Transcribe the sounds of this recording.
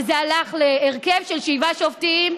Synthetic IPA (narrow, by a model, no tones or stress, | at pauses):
zealaχleːʁkevʃelʃivaʃovtim